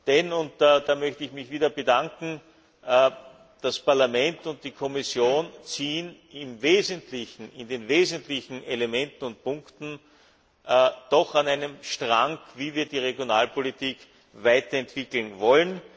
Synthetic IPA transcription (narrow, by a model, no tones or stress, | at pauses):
d̥ɛnʊntːd̥aːmœçtəɪçmɪçviːdɐbədaŋkŋ̩ | d̥aspaɐlamɛntʊnt̚d̥iːkʰɔmɪsjoːnt͡siːən | ɪmveːzəntlɪçn̩ɪndeːnveːzəntlɪçn̩elemɛntn̩ʊnt̚pʊ̃ŋktn̩ | d̥ɔxanæɪnəmʃtʁaŋkviːviːɐdiːʁeɡjonaːlpolitiːk | væɪtɐɛntv̥ɪkl̩nvɔlən